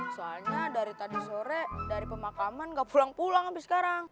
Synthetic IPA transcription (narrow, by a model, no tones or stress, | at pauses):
soalɲadaɾit̪adisoɾedaɾipəmakamanɡaʔpulaŋpulaŋabɪsə̥kaɾaŋ